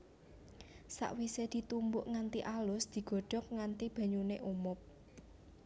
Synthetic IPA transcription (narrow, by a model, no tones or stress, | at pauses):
sa̰ʔwised̪̥i̤t̪umbʊʔŋant̪iʔalʊsd̪̥i̤ɡ̥ɔ̤ɖ̥ɔ̤k̚ŋant̪ib̥ä̤ɲuneʔumʊp̚